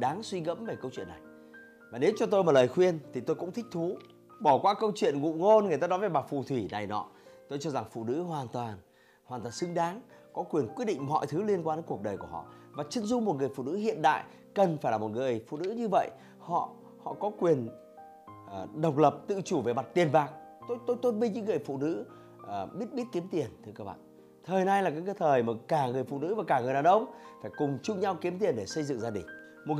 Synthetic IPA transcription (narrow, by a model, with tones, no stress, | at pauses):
ɗaː˨˦ŋswi˧ɣə̰˧˥mve˨˩kə˧wt͡ɕwḭ˧˨ənːa˨˩j | vaː˨˩ne˨˦wt͡ɕɔ˧t̪o˧jmaː˨˩ləː˨˩jxwi˧ənt̪ʰi˨˩t̪o˧jkʊ̰˧˥ŋ͡mt̪ʰï˦˥k̚t̪ʰu˨˦ | ɓɔ˧˩kwaː˨˦kə˧wt͡ɕwḭ˧˨ənŋṵ˧˨ŋo˧nŋ˨˩ət̪aː˧nɔ˨˦jve˨˩ɓaː˨˩fu˨˩t̪ʰwi˧˩na˨˩jnɔ̰˨˦t̪o˧jt͡ɕɔ˧za˨˩ŋfṵ˧˨nɨ̰˧˥ɦwaː˨˩nt̪waː˨˩n | haː˨˩nt̪waː˨˩nsɨ˨˦ŋɗaː˨˦ŋ | kɔ˨˦kwi˨˩ənkwi˦˥t̚ɗḭ˧˨ŋ̟mɔ̰˧˨jt̪ʰɨ˨˦li˧ənkwaː˧ne˨˦ku˨˩ək̚ɗəː˨˩ku˧˩əɦɔ̰˧˨vaː˨˩t͡ɕi˨˦nzʊ˧ŋ͡mm˨˩t̚ŋɨ˨˩əjfṵ˧˨nɨ̰˧˥ɦḭ˧˨ənɗa̰ː˧˨j | kə˨˩nfaː˧˩jlaː˨˩mo˨˩t̚ŋɨ˨˩əjfṵ˧˨nɨ̰˧˥ɲɨ˧və̰˧˨j | hɔ̰˧˨ | hɔ̰˧˨kɔ˨˦kwi˨˩ənː˨˩ | ɗə˨˩wk͡p̚lə˨˩p̚t̪ɨ̰˧˨t͡ɕu˧˩ve˨˩ma˨˩t̚t̪i˨˩ənvaː˨˩ŋ | t̪o˦˥jt̪o˧˥jt̪o˧˥tve˧ɲɨ̰˧˥ŋːɨ˨˩əjfṵ˧˨nɨ̰˧˥˨ | ɓi˦˥ət̚ɓi˦˥ət̚ki˨˦əmt̪i˨˩ənt̪ʰɨ˧əkaː˦˧wɓa̰ː˧˨n | t̪ʰəː˨˩jna˧jlaː˨˩ka̰ː˨˦kːjt̪ʰəː˨˩jmaː˨˩kaː˧˩ŋɨ˨˩əjfṵ˧˨nɨ̰˧˥vaː˨˩kaː˧˩ŋɨ˨˩əɗaː˨˩wʔə˧wŋ͡mfaː˧˩jkʊ˨˩ŋ͡mt͡ɕʊ˧ŋ͡mɲa˧wki˨˦əmt̪i˨˩ənɗe˧˩sə˧jzɨ̰˧˨ŋzaː˧ɗï˨˩ŋ̟ | mo˨˩t̚